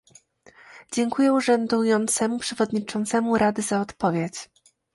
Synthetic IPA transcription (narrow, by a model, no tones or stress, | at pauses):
d͡ʑɛŋkujɛuʐɛnd̪ujɔnt̪sɛmupʂɛvɔd̪ɲit͡ʂɔnt̪sɛmuɾad̪ɘzaɔt̪pɔvʲjet͡ɕ